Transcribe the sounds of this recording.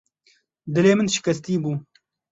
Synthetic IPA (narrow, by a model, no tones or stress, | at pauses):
d̪ɨleːmɨnʃɪ̥kɐst̪iːbuː